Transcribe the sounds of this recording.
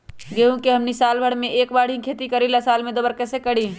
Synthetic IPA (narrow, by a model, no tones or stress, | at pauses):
ɡeɦũkeɦɐmnisaːlbʱəɽmẽʔeːkbaːɽ̤ɦĩkʰeːt̪ikəɾilasaːlmẽd̪obəɾkɛːsekəɽ̤iː